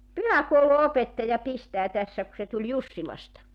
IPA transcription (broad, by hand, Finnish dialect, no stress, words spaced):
pyhækouluopetːɑjɑ pistæː tæsːæ ku se tulʲ jusːilɑstɑ